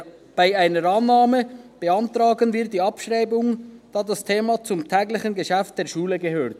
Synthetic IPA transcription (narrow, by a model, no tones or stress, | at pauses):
b̥aɪaɪnəɾɑnːaːməb̥əɑntrɑːɡənviːdiːɑpʃʁaɪbʊŋd̥aːdastʰeːmat͡sʊmtʰɛːɡlɪçənɡəʃɛft̚d̥eːɐʃuːləɡəɦøːʁt